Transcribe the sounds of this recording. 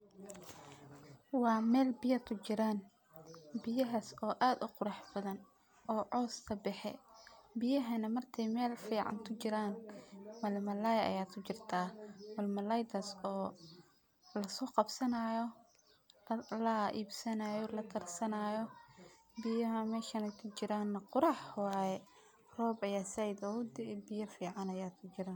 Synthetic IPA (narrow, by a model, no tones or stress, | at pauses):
wɑːmɛːlbɪjɐt̪ʰʊt͡ʃɪɾaːn | bɪjɐɦɐsɔːʔaːd̪ʊqʊɾɑħbɐðɐn | ʔɔːʕɔːst̪ʰɐbɛħɛ̰bɪjɐɦɐnɐmɐrt̪ʰɛjmɛːlfiːʕɑ̰nt̪ʰʊt͡ʃɪɾaːnmɐlmɐlaːjɐɐ̰jaːt̪kʰʊt͡ʃɪrt̪ʰaːmɐlmɐlɐjd̪ɐsɔː | lɐsɔːqɑbsɐnaːjɔ | lɐʔḭːbsɐnaːjɔlɐt̪ʰɐrsɐnaːjɔ | bɪjɐɦɐmɛːʃɐnɛjkʰʊt͡ʃɪɾaːnːɐqʊɾɑːħwɑːjɛ | rɔːbɐjaːsɐjd̪ɔʊd̪ɛbɪjɐfiːʕɑnɐjaːd̪kʰʊt͡ʃɪɾaːn